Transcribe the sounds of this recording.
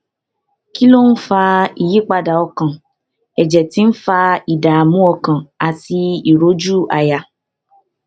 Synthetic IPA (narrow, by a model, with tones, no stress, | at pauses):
ki˦lo˦n̩˦fa˧i˨ji˨˦k͡pa˧da˨ɔ˧kã˨ | ɛ˨d͡ʒɛ˨ti˨˦n̩˦fa˧i˨da˨a˨mũ˦ɔ˧kã˨a˨ti˧i˨ɾo˨˦d͡ʒu˦a˨ja˨